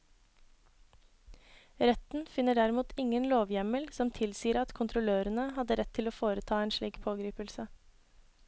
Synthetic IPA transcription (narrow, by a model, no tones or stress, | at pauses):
ɾɛt̪n̩fɪnːəɖæɾɪmuːt̪ʰɪŋənloːʋjɛməlsɔmt̪ʰɪlsiːəɾɑt̪kʰʊnt̪ʰɾʊløːɾənəhɑd̪əɾɛt̪ʰːɪloːfoːɾət̪ʰɑːeːnʃɭiːkpʰoːɡɾiːpəlsə